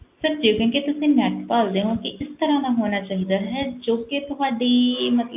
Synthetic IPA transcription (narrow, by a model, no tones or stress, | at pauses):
səɾd͡ʒeːkɛ̃ːkeːt̪ʊsĩːnɛːʈpaːld̪eːɦõːkɪʔɪst̪əɾãːd̪aːɦoːnaːt͡ʃaːɦiːd̪aːɦɛːd͡ʒoːkɪt̪ʊɦaːɖiːmət̪lə